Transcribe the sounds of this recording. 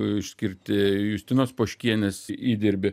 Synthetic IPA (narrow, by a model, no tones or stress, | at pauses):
ɪʃʲsʲkʲɪɾʲt̪ʲɪjʊsʲt̪ʲɪnoːspoːʃʲkʲiɛnʲesiːd̪ʲɪɾʲbʲɪ